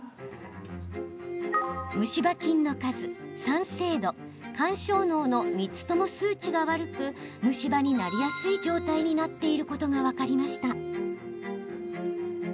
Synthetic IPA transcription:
mɯ̟ɕibakʲĩnːo̞kazɨsãɰ̃se̞ːd̪o̞ | kãɰ̃ɕo̞ːno̞ːno̞mʲit͡sɨ̥t̪o̞mo̞sɨːt͡ɕiɡaβaɾɯ̟kɯ̟ | mɯ̟ɕibaɲ̟inaɾʲijasɨid͡ʑo̞ːt̪aiɲ̟inat̪ːe̞iɾɯ̟ko̞t̪o̞ɡaβakaɾʲimaɕi̥t̪a

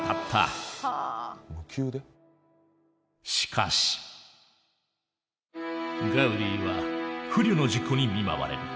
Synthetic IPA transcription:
t̪ʰat̪ʰːa̰ | mɯ̟kʲʰɨːd̪e | ɕi̥kʰa̰ɕi̥ | ɡaɯ̟ɾʲiːβa̰hɯ̟ɾʲɨno̞ʑikːo̞ɲ̟imʲima̰βa̰ɾe̞̰ɾɯ̟

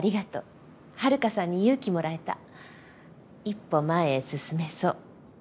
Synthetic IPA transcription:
aɾʲiɡat̪o̞̰ | haɾɯ̟kasãɲ̟ːijɯːkʲimo̞ɾae̞t̪a̰ | ipːo̞maesɨsɨme̞so̞ː

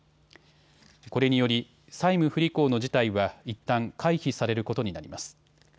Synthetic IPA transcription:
ko̞ɾe̞ɲ̟ijo̞ɾʲi | saimɯ̟ɸɯ̟ɾʲiko̞ːno̞ʑit̪aiβait̪ːãŋkʰaiçisaɾe̞ɾɯ̟ko̞t̪o̞ɲ̟inaɾʲḭmasɨ̥

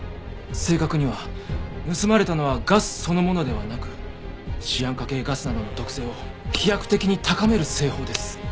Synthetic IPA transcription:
se̞ːkakɯ̟ɲ̟iβanɯ̟sɨmaɾe̞t̪ano̞βaɡasɨ̥so̞no̞mo̞no̞d̪e̞βanakɯ̟̥ | ɕijãŋkake̞ːɡasɨnad̪o̞no̞t̪o̞kɯ̟̥se̞ːo̞çijakɯ̟̥t̪e̞kʲiɲ̟it̪akame̞ɾɯ̟se̞ːho̞ːd̪e̞sɨ̥

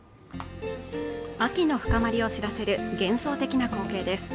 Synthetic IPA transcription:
akʲino̞ɸɯ̟̥kamaɾʲio̞ɕiɾase̞ɾɯ̟ɡẽ̞ɰ̃so̞ːt̪e̞kʲinako̞ːke̞ːd̪e̞sɨ̥

